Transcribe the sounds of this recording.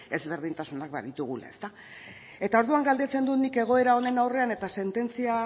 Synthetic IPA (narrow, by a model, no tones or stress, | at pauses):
e̞zβe̞ɾð̞int̪asunak̚ba̰ðit̪uɣ̞ula̰ḛst̪a | e̞t̪ao̞ɾðuaŋɡald̪e̞t͡se̞nd̪unike̞ɣ̞o̞e̞ɾao̞ne̞nawre̞ane̞t̪ase̞nt̪e̞nt͡sia